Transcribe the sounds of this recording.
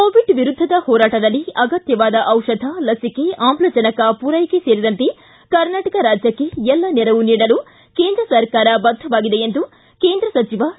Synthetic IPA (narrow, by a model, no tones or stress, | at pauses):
koːʋiɖʋiɾud̪ʱːɐd̪ɐhɔːɾaːʈɐd̪ɐlːiɐɡɐt̪jɐʋaːd̪ɐʔɐwʂɐd̪ʱɐlɐsike̞ʔaːmplɐt͡ʃɐnɐkɐpuːɾɐjkeseːɾid̪ɐnt̪e | kɐɾnaːʈɐkɐɾaːd͡ʒjɐkːe̞ɛlːɐnɛɾɐʋuniːɽɐlu | keːnd̪ɾɐsɐɾkaːɾɐbɐd̪ʱɐʋaːɡid̪e̞end̪u | keːnd̪ɾɐsɐt͡ʃiʋɐ